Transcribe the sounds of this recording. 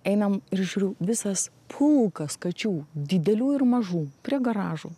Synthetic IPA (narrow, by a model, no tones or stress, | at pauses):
ɛɪnɐmɪɾʒʲuːɾʲʊʋʲɪsɐs | pʰʊlˠkɐskɐt͡ʃʲuːd̪ʲɪd̪ʲɛlʲuːɪɾmɐʒuːpʲɾʲiɛɡɐɾɑːʒuː